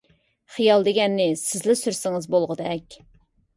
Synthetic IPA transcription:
χijɑlˠd̪eɡʲɛnːɪsɪzlɪsyɾsɪŋɨzbolˠʁəd̪ɛkʲ

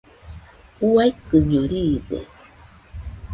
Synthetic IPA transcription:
uajkɨɲoɾiːdḛ

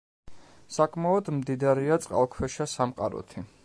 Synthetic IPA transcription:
sakʼmaɔd̪md̪id̪aɾiat̪sʼqʼa̰lˠkʰwɛʃasamqʼa̰ɾɔ̰t̪ʰi

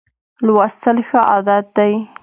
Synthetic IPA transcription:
lwɑst̪əlxəʔɑ̰d̪at̪̚d̪aj

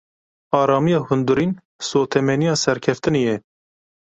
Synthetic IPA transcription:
ɑːɾɑːmijɑːhʊnd̪uɾiːn | soːt̪ʰɛmɛnijɑːsɛɾkʰɛft̪ɨnijɛ

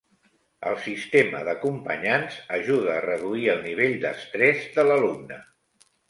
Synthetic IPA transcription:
ə̰lˠsist̪eməðəkumpə̰ɲanzəʒuð̞əːrəðuiəlˠniβ̞eʎd̪ə̰st̪ɾɛzðələlumnə

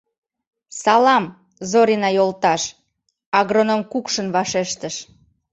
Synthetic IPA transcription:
sɑlɑm | zoɾinɑjolt̪ɑʃ | ɑɣronəmkukʃənβɑʃeʃt̪əʃ

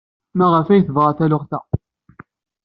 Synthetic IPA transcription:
mæʁəfæjθəvʁaθælʊχθæ

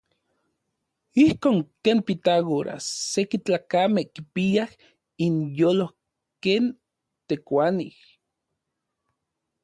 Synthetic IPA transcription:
ihkoːŋkeːnpit̪aɣoɾʔa̰sekit͡ɬaːkamehkipiah | injoːloh | keːn | t̪ekʷanḭh

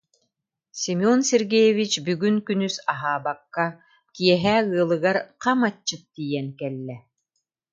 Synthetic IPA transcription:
simɔnsɛɾɡɛjɛvit͡ʃbyɡynkynysaɦaːbakːa | kiɛɦɛːɯːlˠɯɡaɾqamat͡ɕːɯt̪t̪ːiːjɛnkɛlːɛ

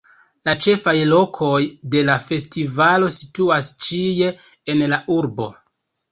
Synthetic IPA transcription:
lat͡ʃe̞fajlo̞kʰo̞jde̞lafe̞stivalo̞situast͡ʃije̞ː | nlaʔuɾbo̞̰

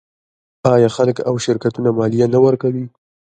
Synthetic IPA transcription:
ɑjɑxaləka̰wʃɪɾkat̪unamɑlijanawəɾkawi

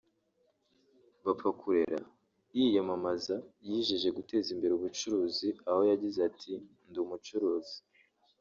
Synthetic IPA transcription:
βapfakʰuɾe̞̰ɾa̰ | jijomamazajiːʒiʒe̞ɡute̞ːzimbe̞ɾeuβut͡ʃuɾuːziaho̞jaɟizatʰi | ndumut͡ʃuɾuːzi̥

